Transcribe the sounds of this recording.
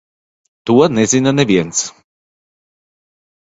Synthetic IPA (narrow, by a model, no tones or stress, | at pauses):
t̪uɔnɛzinɐnɛvʲiɛns